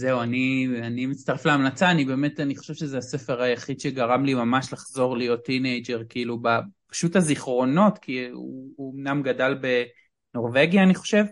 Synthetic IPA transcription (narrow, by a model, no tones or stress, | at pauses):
zeuanianimitt͡st̪aʁefleamnat͡saːnibe̞me̞taniχoʃevʃezeasefe̞ʁajaχid̪ʃeɡaʁamlimamaʃlaχzo̞ʁlijo̞tːinejd͡ʒeʁkiilubapḁʃutaziχʁo̞no̞tkʰiuomnamɡadalbe̞ | no̞ʁve̞ɡjaːniχo̞ʃe̞v